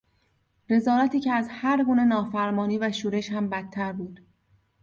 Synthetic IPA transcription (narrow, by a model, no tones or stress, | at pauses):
ɾe̞zɒːɾæt̪ʰiːcʰeæzhæɾɡuːne̞nɒːfæɾmɒːniːvæʃuːɾe̞ʃhæmbæt̪ʰːæɾbuːd̪̥